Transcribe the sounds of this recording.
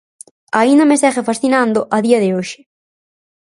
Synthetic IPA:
aind̪ɐmesɛɣefasθinand̪ʊʔɐðiɐðɪoʃɪ̥

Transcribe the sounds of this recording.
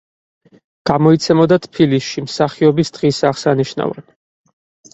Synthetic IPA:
ɡ̥amɔit̪sʰɛmɔd̪at̪ʰpʰilisʃimsaχiɔbisd̪̥ʁisaχsaniʃna̰vɾɛ̰̥

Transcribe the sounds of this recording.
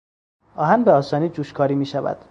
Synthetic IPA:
ɒːɦænbeɒːsɒːniːd͡ʒuːʃkʰɒːɾiːmiːʃævæ̰d̪̥

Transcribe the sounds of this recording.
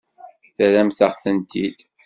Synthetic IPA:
θæɾæmθəʁθənt̪ʰid̪

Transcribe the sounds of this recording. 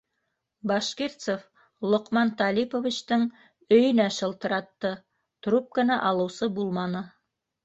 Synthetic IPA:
bɑʃkeɾt̪sof | lˠŏqmɑnt̪ɑlʲipovʲit͡ɕt̪ɤɴ | ɵ̆jɵ̆næʃɤ̆lˠt̪ɤ̆ɾɑt̪ːɤ | t̪rup̚kɤ̆næʔɑlˠɤ̆wsɤbulˠmɑnɤ

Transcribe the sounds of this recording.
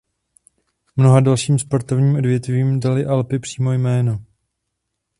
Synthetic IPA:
mno̞ɦadalʃiːmspaɾt̪o̞vɲiːmʔo̞dvjɛt̪viːmdalɪʔalpɪpr̥iːmo̞jmɛːno

